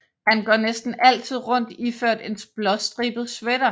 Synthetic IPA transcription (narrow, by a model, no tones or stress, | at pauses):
hænɡ̥ɒnesd̥n̩ʔæl̰t͡sʰið̞̰ˠʁɔ̽n̰d̥iføɐ̰d̥e̝nsb̥lɒsd̥ʁḭːb̥ð̩ˠsʋeɾ̥ɐ